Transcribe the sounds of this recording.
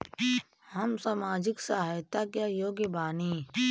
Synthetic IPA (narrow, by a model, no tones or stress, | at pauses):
həmsamaːd͡ʒɪksaɦaːjt̪akjajoːɡebaːniː